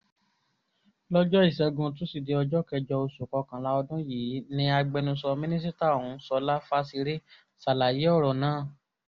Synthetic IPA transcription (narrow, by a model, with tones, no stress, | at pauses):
lɔ˦d͡ʒɔ˦i˦˨sɛ˧ɡũ˧t̬ũ˨˦si˨de˧ɔ˧d͡ʒɔ˦kɛ˧d͡ʒɔ˧o˧su˨kɔ˧kã˨la˨˦ɔ˧dũ˦jiː˨˦nĩ˧˦a˧ɡ͡bɛ˧nũ˧sɔ˧mĩ˦nĩ˦s̬i˦ta˦˨ũ˨˦sɔ˧la˦fa˦si˧ɾi˦ | sa˨la˨ji˨˦ɔ˦˨ɾɔ˨nãː˨˦˨